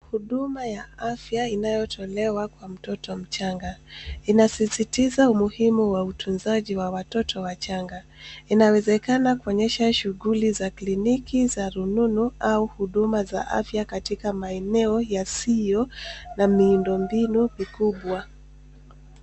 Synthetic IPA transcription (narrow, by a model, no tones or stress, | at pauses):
huɗumajaafjainajɔtʰɔlɛwakwam̩tɔtɔm̩t͡ʃaŋɡainasisitizaumuhimuwautʰunzaʄiwawatɔtʰɔwat͡ʃaŋɡa | inawɛzɛkanakuɔɲɛʃaʃuɣulizaklinikizaɾununuauhuɗumaza̰ʔa̰fjakatikamaɛnɛɔjasijɔnamiːndɔmbinumikuɓwa